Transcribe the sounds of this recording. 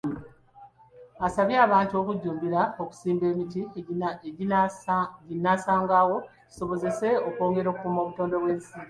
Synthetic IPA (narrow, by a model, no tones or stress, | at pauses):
asaβjaːβaːntuo̞kuɟːuːmbiɾao̞ku̥siːmbe̞ːmiti | ɟinːasaːŋɡaːwo̞̥ | so̞βo̞ze̞se̞oko̞ːŋɡe̞ɾo̞kukumo̞βuto̞ːndo̞βwe̞ːnsiːɾi